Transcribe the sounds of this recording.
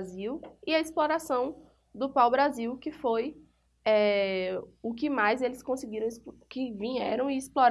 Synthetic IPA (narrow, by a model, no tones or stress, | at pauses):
ziwɪɐisploɾasɐ̃w̃ | d̪ʊpawbɾaziwkɪfoj | ɛ | ʊk̬ɪmajzelɪskõsɪɡiɾɐ̃w̃skɪvĩɲɛɾɐ̃w̃ɪːsploɾ